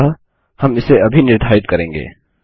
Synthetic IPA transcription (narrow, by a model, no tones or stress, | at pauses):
a | hɐmɪseɐbʱinɪɾd̪ʱaːɪt̪̚kɐɾẽːŋɡḛː